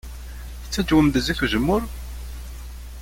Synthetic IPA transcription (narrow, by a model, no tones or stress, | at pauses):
θət͡sːæd͡ʒwəmd̪əziθuʒəmːʊɾ